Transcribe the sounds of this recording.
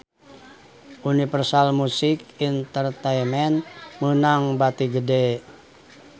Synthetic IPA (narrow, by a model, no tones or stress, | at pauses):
unifərsalmusɪkint̪ərt̪ɛjmɛnmənaŋbat̪iɡəde